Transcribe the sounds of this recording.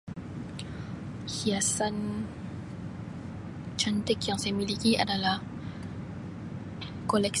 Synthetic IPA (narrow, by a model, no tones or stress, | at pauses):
hiasan | t͡ʃʰant̪ekjaŋsɛmilikiʔa̰dala | kolɛk̚